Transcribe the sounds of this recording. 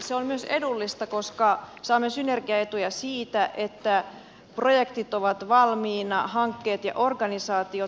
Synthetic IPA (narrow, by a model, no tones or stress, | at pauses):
seolmyøsedulːist̪ɑko̞skɑsɑːmːesynerɡiɑet̪ujæsiːt̪æʔet̪ːæ | projekt̪it̪oʋɑt̪ʋɑlmiːnɑhɑŋkːeːt̪jɑ̰ʔorɡɑnisɑːt̪io